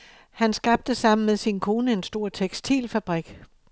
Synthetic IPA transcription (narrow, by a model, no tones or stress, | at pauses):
hænsɡ̥ɑ̈b̥̚d̥əsɑ̈m̰n̩meðˠsinkʰo̝ːnəe̝nsd̥o̝ɐ̰t͡sʰeɡ̥sd̥ʰḭːlfæb̥ʁiɡ̥